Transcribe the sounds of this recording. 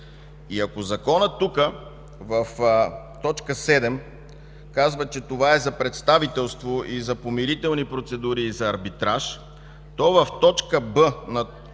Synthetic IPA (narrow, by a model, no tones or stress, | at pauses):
iɐkozɐkɔnət̪ːukə | vəf | t̪ɔt͡ʃkəsɛd̪ɛm | kazvət͡ʃɛt̪ovaɛzɐpɾɛt̪st̪avit̪ɛlˠst̪voʔizɐpomiɾit̪ɛlˠnipɾot̪sɛd̪uɾiːzɐːɾbit̪ɾaʃ | t̪ɔvəft̪ɔt͡ʃkəbənɐ